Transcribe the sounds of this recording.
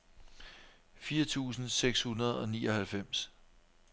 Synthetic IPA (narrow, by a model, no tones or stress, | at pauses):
fiːɐt͡sʰṵːsn̩seɡ̥shunɐð̞̩ˠɒ̽niːɒ̽hælfem̰s